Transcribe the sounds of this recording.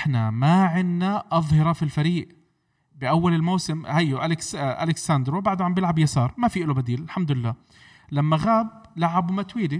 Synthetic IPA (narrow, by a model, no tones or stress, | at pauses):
ʔħnamaʕɪnːaʔɑðˤhɑɾˤɑfilfaɾiːʔ | bɪʔawːalɪlmawsɪmhajːʔalɪksʔa̰lɪksand̪ɾobaʕd̪ʕambjɪlʕabjasɑːɾˤmafiːʔɪlobad̪iːlɪlħamd̪ʊɪlːaː | lamːaɣaːb̚laʕabumat̪wiːli